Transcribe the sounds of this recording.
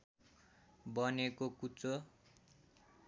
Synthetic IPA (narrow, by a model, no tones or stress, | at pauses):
bʌnekokut͡so